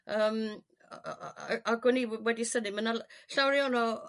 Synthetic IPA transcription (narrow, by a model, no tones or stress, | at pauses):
əːm | aɡʊniwɛdisənɪmənalɬawɾjɔnɔ